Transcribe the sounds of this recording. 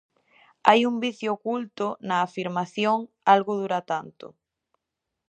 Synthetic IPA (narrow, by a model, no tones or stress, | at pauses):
ajumbiθjoːkult̪ʊnɐːfiɾmaθjoŋ | alɣʊð̞uɾat̪ant̪ʊ̰